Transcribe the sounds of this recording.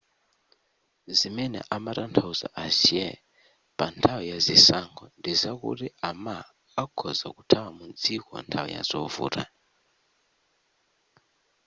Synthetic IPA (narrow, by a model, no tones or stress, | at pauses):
zimɛnɛ̰ʔamaɾantʰauza̰ʔasiɛ | pantʰawɔjazisaŋɡɔndizakṵtiamaː | kʰɔzakutʰawamund͡zikɔ̰ntʰawɔ̰ja̰zɔvṵːɾa̰